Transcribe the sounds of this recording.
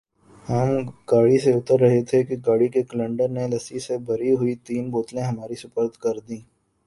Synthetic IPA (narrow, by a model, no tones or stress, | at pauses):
hɐmɡ̥aːɽiseʊt̪əɾːɐɦet̪ʰekiɡaːɽikekələ̃ɳɖəɾnelɐsisebʱɐɾiɦʊit̪iːnboːt̪lẽɦɐmaːɾisʊpəɾd̪ʱkɐɾd̪ĩː